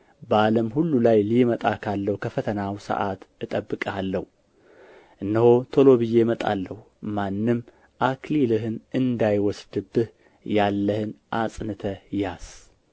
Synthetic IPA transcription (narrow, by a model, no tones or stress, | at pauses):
baləmɦulːulajlimət̪ʼakʰalːəhukʰəfət̪ʰənawsə̰ʔat̪ɨt̪ʼəbːɨkʼalːəhu | ʔɨnːəhot̪ʰo̞lo̞βɨjːe̞mət̪ʼa̰lːəhu | manːɨm | ʔakʰlilɨɦɨnɨnd̪ajwɔsd̪ɨbːɨh | jalːəhɨnʔasʼnɨt̪ʰəjas